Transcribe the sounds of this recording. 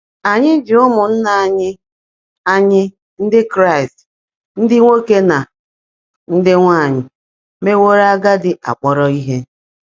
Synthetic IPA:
a˨ɲɪ˦d͡ʒi˨ʊ˦mʊ˨n̩˦na˨a˨ɲɪ˦ | a˨ɲɪ˦ | n̩˦dɪ˦kɾa˦˨ɪ˨st | n̩˦dɪ˦ŋʷo˦ke˦na˨ | n̩˦dɪ˦ŋʷa˦˨ɲɪ˨ | me˦wo˦ɾa˦ɡa˦dɪ˨ʔa̰˨k͡pɔ˦ɾɔ˦i˦ɦe˦

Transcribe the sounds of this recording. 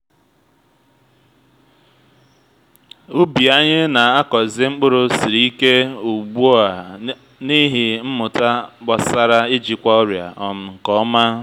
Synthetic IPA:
ʊ˦bi˨a˦ɲɪ˦na˨a˦kɔ˨zɪ˦ŋ͡m̩˦k͡pʊ˦ɾʊ˨si˨ɾi˨˦i˦ke˦u˨ɡ͡bu˦o˦a˨ | ni˦ɦɪ˨m̩˦mʊ˨ta˦k͡pa˨sa˦ɾa˦ɪ˦d͡ʒi˨kʷa˦ɔ˦ɾja̰˨ɔ˨m̩˨ŋ̩˨kɔ˦ɔ˦ma˦

